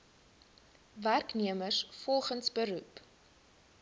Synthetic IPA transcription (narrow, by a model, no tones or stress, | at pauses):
værkniəmərsfɔlˠχənsbəɾup